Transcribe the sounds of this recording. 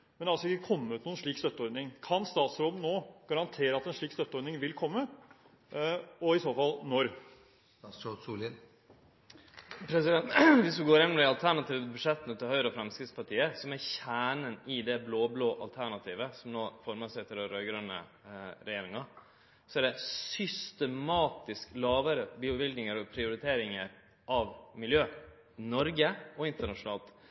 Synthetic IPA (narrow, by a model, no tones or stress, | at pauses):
mɛnæɾɑlsɔɪkːəkʰɔmːəʉːt̪nuːənʂɭiːkst̪œt̪əɔɾd̪nɪŋkʰɑnst̪ɑːt̪sɾoːd̪nːoːɡ̥ɑɾɑnt̪ʰeːɾəɑt̪ɛnʂɭiːkst̪œt̪ːəɔɾd̪nɪŋʋɪlkʰɔmːə | ɔɪsoːfɑlnɔɾ | osul | pʰɾɛs̬ɪd̪ɛnʋɪsʋɪɡoːɾɛnːmd̪ɪɑlt̪ʰæɳɑt̪iːʋəbʉdʂɛt̪ənət̪ʰɪlhœʏɾəɔfɾɛmskɾɪt̪spɑʈʰiːəsɔmæɾçæːɳənɪd̪ɛbloːbloːʔɑ̰lt̪ʰæɳɑt̪ʰiːʋəsɔmnoːfɔɾməsæɪt̪ʰɪlɔɾøʏɡɾœnːə̰ | ɾɛjeːɾɪŋɑ | sɔæɖɛsʏst̪əmɑːt̪ɪsklɑːʋəɾəbiːʊʋɪld̪nɪŋəɾɔpʰɾɪʊɾɪt̪ʰeːɾɪŋəɾ | ʔɑʋmɪljøː | nɔɾɡəɔɪnt̪əɳɑʂʊnɑːlt̪